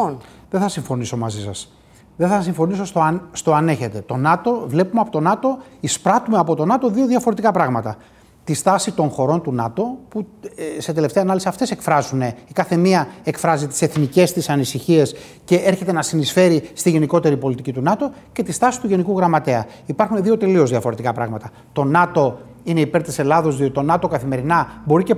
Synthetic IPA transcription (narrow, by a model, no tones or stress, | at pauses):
onðeθɐsiɱfo̞niso̞mɐzisɐs | ðeθɐsiɱfo̞niso̞st̪oɐst̪o̞ɐne̞çe̞t̪e̞t̪o̞nɐt̪o̞vle̞pumeɐpo̞t̪o̞nɐt̪o̞ispɾɐt̪umeɐpo̞t̪o̞nɐt̪o̞ðio̞ðjɐfo̞ɾe̞t̪ikɐpɾɐɣmɐt̪ɐ | t̪ist̪ɐsit̪o̞ŋxo̞ɾo̞nt̪unɐt̪o̞puse̞t̪e̞le̞ft̪eɐnɐlisiɐft̪e̞se̞kfɾɐzune̞ikɐθe̞miɐe̞kfɾɐzit̪i̥se̞θnice̞st̪isɐnisiçie̞s | ce̞ʔeɾçe̞t̪enɐsinisfe̞ɾist̪iʝe̞niko̞t̪e̞ɾipo̞lit̪icit̪unɐt̪o̞ce̞t̪ist̪ɐsi̥t̪uʝe̞nikuɣɾɐmɐt̪e̞ɐ | ipɐɾxuneðio̞t̪e̞lio̞zðiɐfo̞ɾe̞t̪ikɐpɾɐ̰ɣmɐt̪ɐ | t̪o̞nɐt̪o̞ | ineipe̞ɾt̪ise̞lɐðo̞zðiot̪it̪o̞nɐt̪o̞kɐθime̞ɾinɐbo̞ɾice